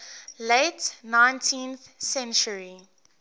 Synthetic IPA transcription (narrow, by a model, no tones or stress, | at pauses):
leɪtnãɪ̃ntʰĩnθsɛ̃nt͡ʃəɹi